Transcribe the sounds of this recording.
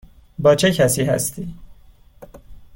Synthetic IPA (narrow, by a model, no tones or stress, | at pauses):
bɒːt͡ʃʰecʰæsiːhæ̰st̪ʰiː